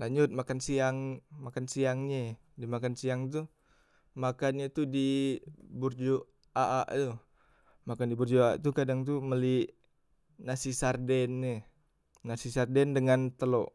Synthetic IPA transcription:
laɲd͡ʒʊt̪̚makansiaŋmakansiaŋɲɛ | dimakansiaŋt̪u | makanɲat̪udi | burd͡ʒo | ʔaʔaʔt̪u | makandiburd͡ʒoaa̰ʔt̪ukadaŋt̪uməliʔ | nasisardɛnːɛ | nasisardɛndəŋant̪əloʔ

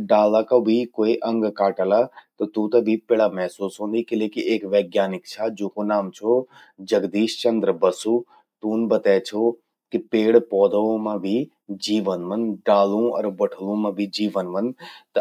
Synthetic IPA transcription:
ɖaːlakɐbʱikoːiʔɐ̃ŋɡkaːʈəlat̪ɐt̪uːt̪ɐbʱipeɽamɛɦsuːsɦõːnd̪ikɪleːkiʔeːkʋɛːɡjaːnɪkt͡ʃʰad͡ʒoːkonaːmt͡ʃʰo | d͡ʒɐɡd̪iːʃt͡ʃɐ̃nd̪ɾəbɐsu | t̪uːnbɐt̪ɛːt͡ʃʰo | kipeːɽpɔːd̪əʋõmãbʱi | d͡ʒiːʋənʋənɖaːlũɐ̰ɾbɐʈʰəlũmãbʱid͡ʒiːʋənʋɐnt̪ɐ

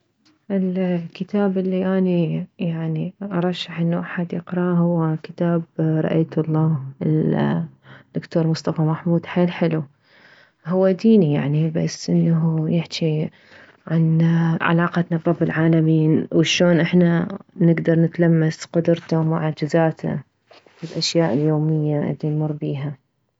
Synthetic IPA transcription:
ʔɪlkɪt̪aːbɪlːiʔaːnijaʕniʔɑɾˤɑʃːaħʔɪnːuʔaħad̪jɪqɾˤɑɦʊwːakɪ̥t̪aːbɾˤɑ̰ʔajt̪lˤːɑːhɪl | d̪̥ːʊkt̪oːɾmʊsˤt̪ɑfamaħmuːd̪ħeːlħɪlu | hʊwːad̪iːnija̰ʕniba̰sːʔɪnːaɦujɪħt͡ʃi | ʕanʕa̰lɑːqɑt̪nabɾˤɑbːɪlʕaːlamiːnwɪʃoːnʔɪħnanɪɡd̪ɑɾˤnɪt̪lamːasqʊd̪ɾt̪amʊʕad͡ʒɪzaːt̪a̰ | fɪlʔaʃjaːʔɪljoːmɪjːaʔɪ̰ðinmʊrˤːbiːɦa

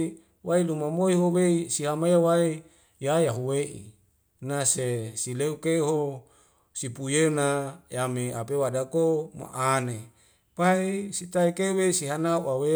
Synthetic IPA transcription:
wailumamoiɦoweisiɦamajawai | jajaɦuweʔḭ | nasesileukeɦo | sipujenajameapewadakoma̰ʔane | paisit̪aikeweisiɦanauawe

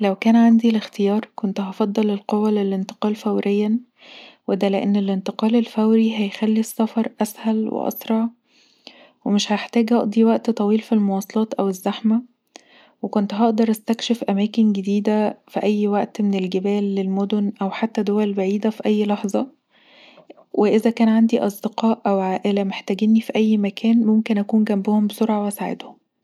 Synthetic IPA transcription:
læwkæːnʕand̪ilext̪ejɑːɾˤkont̪ɦɑfɑd̪ˤːɑlelqowːælelent̪e̥qɑːlfæwɾejːæ | wed̪æleʔenːelʔent̪eqɑːlelfæwɾiɦæjxælːisːɑfɑɾˤʔæshælwḛʔɑ̰sɾˤɑʕ | wemeʃhæeħt̪æːɡʔɑʔd̪iwæʔt̪t̪ˤɑwiːlfilmowɑːsˤɑlɑːt̪ʔæwezːæħmæ | wekont̪ɦɑʔd̪ɑɾˤʔæst̪ækʃefʔæmæːkenɡed̪iːd̪æfiʔæjːwæʔt̪menelɡebæːlːelmod̪onʔæwħat̪ːæd̪owælbaʕiːd̪æfiʔæjːlɑħzˤɑ | wʔeʔezækæːnʕand̪iʔɑsˤd̪eqɑːʔʔæwʕaːʔelæmeħt̪æːɡenːifiʔæjːmækʰæːnmomkenʔækuːnɡæmbohombesoɾʕɑwæsaːʕḛd̪hom

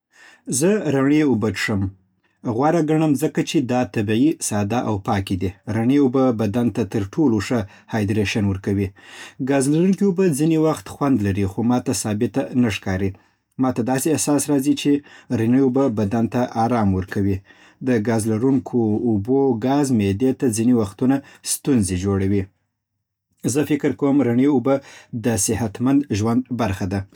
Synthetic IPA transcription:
zəɾaɳeobətʂəm | ɣwaɾaɡaɳəmzəkat͡ʃed̪ɑt̪abiisɑd̪aʔawpɑkid̪iɾaɳeobəbad̪ant̪at̪əɾʈʰoloʂə | hɑjd̪ɾeʃanwəɾkawiɡɑzlaɾunkiobəd͡zinewaxt̪xwand̪laɾixomɑt̪asɑbɪt̪anaʂkɑɾi | mɑt̪ad̪ɑseahsɑsɾɑzit͡ʃeɾaɳəjubəbad̪ant̪aʔɑɾɑmwəɾkʰawi | d̪əɡɑzlaɾuŋkʰoːboɡɑzmed̪et̪ad͡zinewaxt̪unast̪unzed͡ʒoɽawi | zəfɪkɪɾkawəmɾaɳeubəd̪əsɪhat̪mand̪ʒwand̪baɾxad̪a

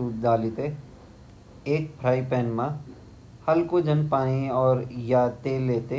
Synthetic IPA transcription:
uːd̪aːlit̪e | eːk̚pʰɾaːipɛ̃ːnmã | hɐlkod͡ʒɐnpaːniɔːɾjat̪eːlːeːt̪e

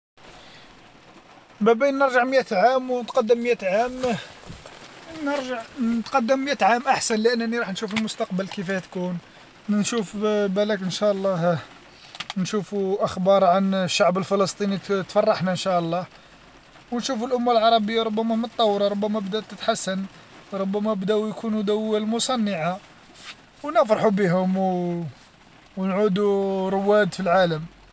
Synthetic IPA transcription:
bæbænːəɾʒəʕmjæt̪ʕamwnt̪qɑd̪ːəmmjæt̪ʕam | nəɾʒəʕət̪qɑd̪ːəmːjæt̪ʕamʔaħsənləʔənːæniɾˤɑħnʃufəlmʊst̪ɑqbəlkəfæhæt̪kun | nʃufbælækʔənʃæʔəlˤːɑh | nʃufuʔəxbɑɾˤʕanʃːaʕbəlfələst̪ˤinit̪fɑrˤːɑħnaənʃæʔəlˤːɑh | wnʃufəlʔʊmːalʕɑɾˤɑbəjːaɾˤʊbːæmæmət̪ˤːɑwːɾˤɑɾˤʊbːæmæbd̪æt̪ːət̪ħasːən | wɾˤobːæmæbd̪æwjkunud̪æwːælmʊsˤɑnːəʕa | wnəfɾˤɑħubiɦʊmw | nʕud̪uɾʊwːæd̪filʕaləm

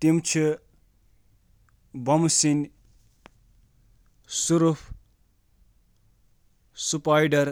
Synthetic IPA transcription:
t̪imt͡ʃʰi | bʌmsin | suɾupʰ | supajɖɐɾ

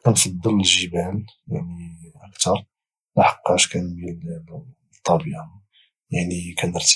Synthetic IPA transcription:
kænfɑd̪ˤːələlʒəbælja̰ʕniʔəkt̪ɑɾˤ | maħɑ̥qːɑʃkænbil | t̪ˤːɑbiʕa | jaʕnikænəɾt̪

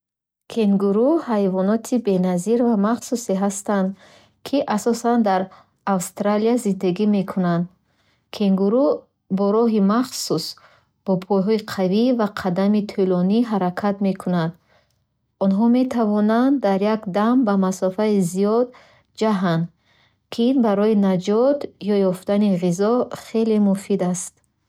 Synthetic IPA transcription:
kʰeŋɡuɾuhajvɔnɔt̪ʰibe̞naziɾvamaχsuseɦast̪and̪ | kʰiʔasɔsand̪aɾ | awst̪ɾaliazind̪aɡime̞kʰunand̪ | kʰeŋɡuɾu | bɔɾɔɦimaχsus | b̥ɔpʰɔjɦɔiqʰavivaqʰad̪amit̪ʰulɔniɦaɾakʰat̪me̞kʰunand̪ | ɔnɦɔme̞t̪ʰavɔnand̪d̪ːaɾjakd̪ambamasɔfaizijɔd̪ | d͡ʒaɦand̪ | kʰiinbaɾɔinad͡ʒɔt̪jɔjɔft̪aniʁizɔχe̞le̞mufid̪ast̪̚

